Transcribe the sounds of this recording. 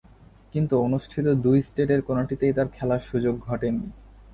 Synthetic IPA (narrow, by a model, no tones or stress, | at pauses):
kint̪uonuʃʈʰit̪od̪ujsʈeʈeɾkonoʈit̪ejt̪aɾkʰɛlaʃud͡ʑoɡʱɔʈeni